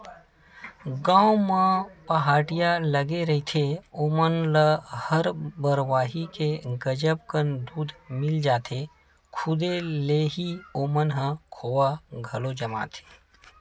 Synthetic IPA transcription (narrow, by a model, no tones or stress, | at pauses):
ɡãːomãpɐɦaːʈɪjaləɡeɾɐɦit̪ʰeoːmənləhəɾbəɾʋaːɦikeɡəd͡ʒəb̚kənd̪uːd̪ʱmɪld͡ʒaːt̪ʰe | kʰʊd̪eleɦioːmənɦə̃kʰoːwaɡʱɐlod͡ʒɐma̰ːt̪ʰe̥ː